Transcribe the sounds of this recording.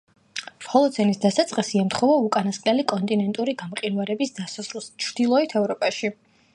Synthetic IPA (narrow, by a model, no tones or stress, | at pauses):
fχɔlˠɔzɛnisd̪asat̪sʼqʼisiamt̪ʰχɔvaukʼanasqʼlɛlikʼɔnt̪ʼinɛnt̪ʼuɾiɡamqʼinvaɾɛbisd̪asasɾulˠst͡ʃʰɾd̪ilˠɔɛt̪ʰɛvɾɔpʼaʃi